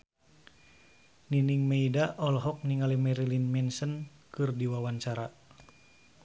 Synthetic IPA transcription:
niniŋmeidaʔɔlɔɦɔk̚niŋalɛmɛɾilinmɛnsənkɨrdiwawant͡ʃaɾa

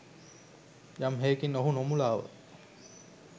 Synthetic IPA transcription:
jamɦeːkinoɦunomulaːʋə̰

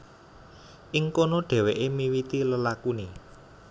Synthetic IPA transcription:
ʔɪŋkonoɖ̥ɛ̤weʔemiwit̪iləlakune

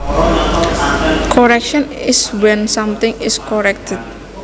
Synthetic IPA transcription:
kʰɔɾɛkʃɔnɪswɛ̃nsamt̪ɪ̃ŋɪskɔɹɛk̚t̪ʰɛt̪̚

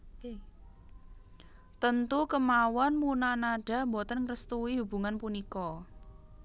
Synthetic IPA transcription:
t̪ənt̪ukəmawɔnmunanaɖ̥a̤mbɔt̪ənkɾəst̪uwiɦub̥ṳŋanpunikɔ

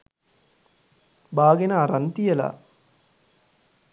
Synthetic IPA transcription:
baːɡenaːɾɐnt̪ijɐla̰

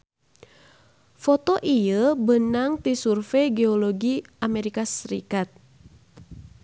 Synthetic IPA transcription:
fɔt̪ɔʔijəbənaŋt̪isurfeɡeɔlɔɡiʔameɾikasɾḭkat̪̚

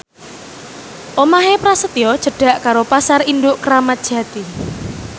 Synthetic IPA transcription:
ʔomaɦepɾasət̪iɔd̥ʒ̥ə̤ɖ̥ä̤ʔkaɾopasarind̪ʊʔkəɾamat̪̚d̥ʒ̥ä̤t̪i

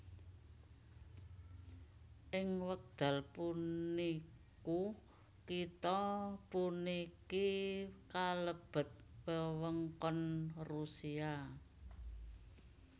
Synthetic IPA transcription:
ʔɪŋwək̚d̪̥a̤lpunniku | kit̪ɔpunikikaləb̥ə̤t̪̚pəwəŋkɔnrusia

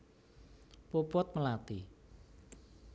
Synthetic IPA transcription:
pupuət̪̚məlaːt̪ḭː

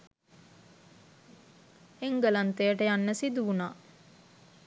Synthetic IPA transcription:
eŋɡəlant̪ejəʈəjanːəsid̪uʋunaː

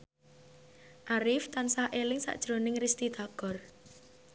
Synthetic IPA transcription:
ʔaɾɪft̪ansahʔelɪŋsa̰ʔd̥ʒ̥ɾonɪŋrist̪id̪̥a̤ɡ̥ɔ̤r

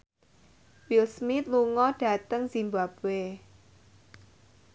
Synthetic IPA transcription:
wilsmit̪̚luŋɔɖ̥ä̤t̪əŋzimbab̥we

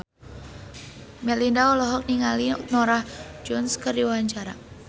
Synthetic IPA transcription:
mɛlindaɔlɔɦɔk̚niŋalinɔɾahd͡ʒɔnskərdiwawaɲt͡ʃaɾa̰

